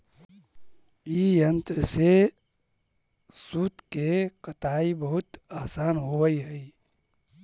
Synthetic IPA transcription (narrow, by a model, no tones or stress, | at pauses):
ijənt̪ɾəse | sut̪kekət̪aibəɦʊt̪əɦsaːnɦowəiɦəi